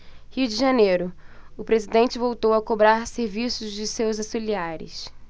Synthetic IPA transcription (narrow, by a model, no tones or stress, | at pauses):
hiʊd͡ʒɪʒanejɾʊʊpɾezid̪ẽnt͡ʃɪvowt̪owɐkobɾaɾseɾvisʊzd͡ʒɪsewzafiliaɾɪ̰s